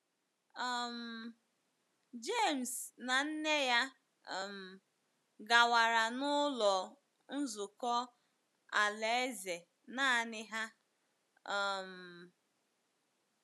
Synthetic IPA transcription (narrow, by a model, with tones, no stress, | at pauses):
ɔ˨m̩˨ | d͡ʒe˦˨m̩˨sna˨n̩˦ne˦ja˦˨ | m̩˨ | ɡa˨wa˨ɾa˨nʊ˦lɔ˨ | n̩˦zʊ˨kɔ˦ | a˨le˨e˦ze˨ | na˦nɪ˦ɦa˦˨ | m̩˨